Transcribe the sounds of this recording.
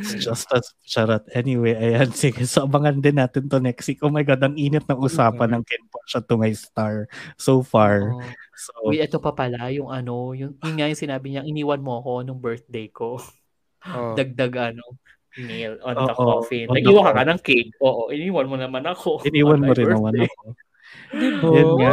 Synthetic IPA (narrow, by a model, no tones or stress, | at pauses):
d͡ʒɐst̪ɐst͡ʃɐɾɐt̪̚ʔɛniwejʔɐjansiɡɛsɐʔbɐŋɐnd̪ɪnːaːt̪ɪnt̪ʊnɛksikʔomɐjɡad̪ɐŋʔiːnɪt̪̚nɐʔʊsaːpɐnɐŋkɛnpɐʃat̪ʊmɐjst̪aɹsofaɹsoɪɛt̪opɐpɐlajʊŋʔɐno̞jʊŋjʊnŋajʊŋsɪnaːbɪɲaʔɪniːwɐnmoɐko̞nʊŋbɛɹt̪̚d̪ejko̞ | d̪ɐɡ̚d̪aɡʔɐno | mejlʔonoːɐʔofɪnɐɡiːwɐkɐkanɐŋkenʔoːʔoʔɪniːwɐnmonɐmanɐkoɪniːwɐnmoɾɪnɐɐno | jona